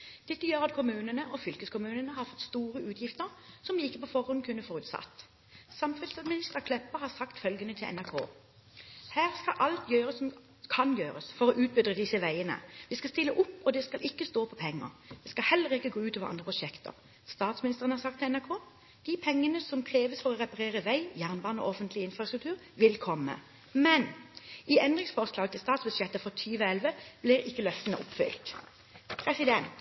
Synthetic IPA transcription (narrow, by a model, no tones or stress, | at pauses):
d̪̥ɛt̪ːəjøːɾɑt̪̚kʰʊmʉːnənəʔɔfʏlkəskʰʊmʉːnənəhɑɾfɔt̪ːst̪uːɾəʉːt̪jɪft̪əɾsɔmɪkːəpʰɔfɔɾhɔnkʰʉnːəfɔɾʉːt̪sɑ̰t̪ː | sɑmfɛlsɑd̪mɪnɪst̪əkʰlɛpːəhɑsɑkt̪fœlɡənət̪ʰɪlʔɛ̰næʁkʰo̰ː | hæːʁskɑlʔɑlt̪jøːɾəsːɔm | kʰɑnjøːɾəsfɔɾɔʔʉːt̪̚bʏd̪ʁəd̪ɪsəʋæɪənə̰ʋɪskɑst̪ɪlːəʔʊpːɔd̪ɛskɑlʔɪkːəst̪oːpʰɔpʰɛŋːə̰ɾd̪ɪskɑlhɛlːəʁɪkːəɡoːʉːt̪ɑːʋəɾʔɑnd̪ʁəpʰʊʂɛkt̪ə̰ɾ | st̪ɑːt̪smɪnɪstəʁənhɑɾsɑk̚t̪ʰːɛɛnæʁkʰoː | d̪̥ɪpʰɛŋːənəsɔmkʰɾeːʋəsfɔɾɔʁɛpɑʁeːʁəʋæɪjæːʁnbɑːnɔ̰ʔɔfənt̪lɪɪnfɾɑst̪ʁʉk̚t̪ʰʉːʁ | ʋɪlkʰɔmːə̰ | mɛnʔɪɛnd̪ʁɪŋsfɔʁslɑːɡət̪ʰɪlst̪ɑːt̪sbʉd̪ʃjɛt̪ːəfɔt̪ʰyːʋəɛlʋəb̥lɪɾɪkːəlœft̪ənəʔʊpfʏ̰lt̪ | pʰɾɛsɪd̪ɛnt̪